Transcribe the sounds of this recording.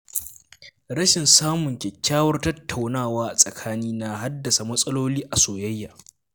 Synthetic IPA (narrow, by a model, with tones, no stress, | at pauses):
ɾɐ˦ʃɪ˨nsaː˦mʊ˨ŋkʲɛ˨kʲːaː˦wɐ˦rtɐ˦tʰːa˨wnaː˦˨waː˦ʔa˨sʼɐ˨kʰaː˦niː˦na˨ɦa˦dːɐ˨sa˨mɐ˦sʼɐ˦loː˦liː˦ʔa˨soː˨jɐ˦jːaː˨